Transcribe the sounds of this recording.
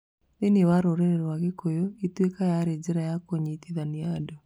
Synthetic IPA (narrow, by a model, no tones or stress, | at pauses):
ðenewaɾoɾeɾeɾwaɣekojoit̪wekajaɾed͡ʒeɾajakoɲit̪iðaniado